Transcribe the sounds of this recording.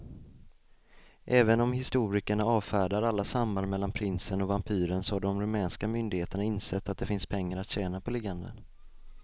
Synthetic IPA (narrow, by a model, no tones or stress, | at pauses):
ʔɛːvənɔmhɪst̪uːɾɪkəɳaɑːvfæːɖaɾalːasamband̪mɛlːanpʰɾɪnsənɔvampʰyːɾənsɔhaɖɔmɾɵmɛːnskamʏnd̪ɪɡheːt̪əɳaɪnsɛt̪ːat̪̚d̪ɛfɪnspʰɛŋːaɾat̪ɕɛːnapʰɔlɪɡand̪ə̰n